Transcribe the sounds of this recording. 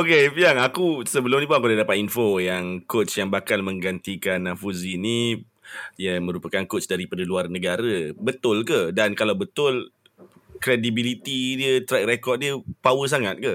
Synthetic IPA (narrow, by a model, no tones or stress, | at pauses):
okepiaŋakusəbəlʊmnipunak̬udadapat̪infojaŋkot̪t͡ʃjaŋbakalmə̃ŋɡant̪ikanːafuzini | jamə̃ɾupakankot̪sdaɾipadaluarnəɡaɾəbət̪ʊlkədankalawbət̪ʊl | kɾedibilit̪idiət̪ɾɛk̚rekɔt̪̚diəpawəs̬aŋat̪̚ka